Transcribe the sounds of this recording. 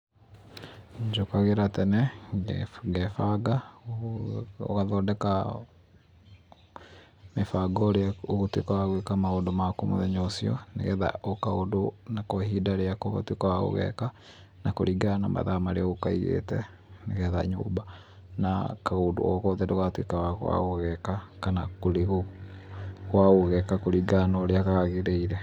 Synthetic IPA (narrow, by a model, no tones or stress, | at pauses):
d͡ʒokaɣeɾatɛnɛɡɡɛfaɡa | o̰ɣaðɔːdɛka | mefaɡɔɾeaoɣotwekaaɣwekamaodomakomo̰ðɛɲosiɔ̰nḛɣɛða̰ʔokaodonakɔhidaɾeakɔɣɔ̰twekawaɣo̰ɣɛ̰ka | nakoɾiɡanama̰ðamaɾeaɣokaiɣḛtɛ̰ | neɣɛða̰ɲo̰ba | na̰kaɣodo̰ɔɣɔðɛdɛɣwatwekawaɣwa̰ɣoɣɛkakanakoɾeɣo | ɣwaɣoɣɛkakoɾiɡanɔɾeaɣaɣaɣeɾeiɾɛ